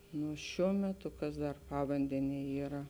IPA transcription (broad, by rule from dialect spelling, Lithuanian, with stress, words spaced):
nʊ ˈʃʲuɔ mʲɛˈtʊ ˈkɐs dɐr ˈpɑːʋɐnʲdʲɛnʲiɛ ˈiːrɐ